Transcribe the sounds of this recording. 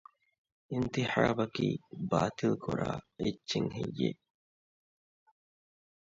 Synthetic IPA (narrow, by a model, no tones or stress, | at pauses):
ʔint̪iħaːbɐkiːbaːt̪ilkʰuɾaːetːʃiŋɦijːe